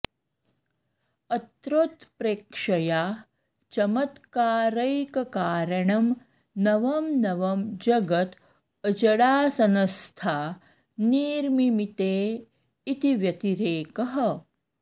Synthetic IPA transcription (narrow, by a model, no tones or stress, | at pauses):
ɐt̪ɾot̪pɾeːkʂɐjaː | t͡ʃɐmɐt̪kaːɾɐjkɐkaːɾɐɳɐm | nɐʋɐmnɐʋɐmd͡ʒɐɡɐt̪ | ɐd͡ʒɐɽaːsɐnɐst̪ʰaː | niːɾmimit̪eː | it̪iʋjɐt̪iɾeːkɐɦɐ̆